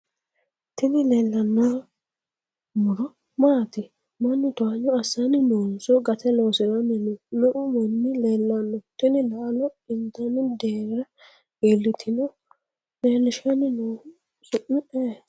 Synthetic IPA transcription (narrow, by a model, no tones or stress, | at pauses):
t̪ɪnɪleːlːɐnːaː | mʊɾɔ | maːt̪ɪ | mɐnːɪt̪ʊaɲɔɐsːɐnɪnoːnsɔɡɐt̪ɛloːsɪɾɐnɪnʊnɔʔʊmɔnːɪleːlːɐnːɔt̪ɪnɪlalɔɪnt̪ɐnɪd̪eːɾɐ | elːɪt̪ʰɪnɔ | leːlːɪʃanɪnoː | sʊʔɪʔeː